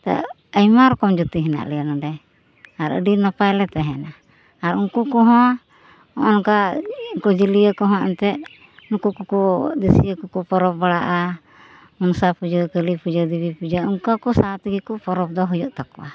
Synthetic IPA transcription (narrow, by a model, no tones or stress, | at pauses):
t̪a̰ | əjmaɾɔkɔmd͡ʒut̪iɦɛna̰ʔlɛjanaɖɛ | aɾə̰ɖinɔpajlɛt̪ɛɦɛna | aɾuŋkukɔɦɔ̃ | ɔʔɔnkakɔd͡ʒiliəkɔɦɔ̃ʔɛ̰nt̪ɛ | nukukukɔd̪əsijəkukɔpɔɾɔp̚baɽaʔa | mɔnsapud͡ʒɔkəlipud͡ʒad̪ibipud͡ʒauŋkakɔsat̪iɡikɔpɔɾɔp̚d̪ɔɦɔjɔʔt̪akɔʔa